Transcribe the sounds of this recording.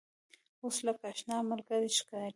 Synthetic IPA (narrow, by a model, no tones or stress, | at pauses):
oslakaʃnɑmaɾɡaɾiʃkɑl